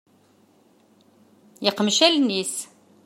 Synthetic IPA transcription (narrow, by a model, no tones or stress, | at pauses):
jəqmʃælnis